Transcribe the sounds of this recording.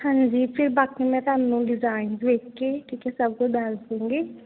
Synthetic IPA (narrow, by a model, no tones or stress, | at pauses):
hãːnd͡ʒiːpʰɪɾbaːkimɛ̃t̪aːnːũɖɪzaːɪnzʋeːkkeʈʰiːkɛsəb̚kut͡ʃɖalsd̪ẽːŋɡe